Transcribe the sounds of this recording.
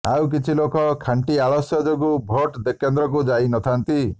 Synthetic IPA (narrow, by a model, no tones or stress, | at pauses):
awk̬it͡ʃʰilokɔkʰaɳʈiaɭɔsjɔd͡ʒoɡubʱɔʈd̪ekend̪ɾɔk̬ud͡ʒainɔt̪ʰant̪i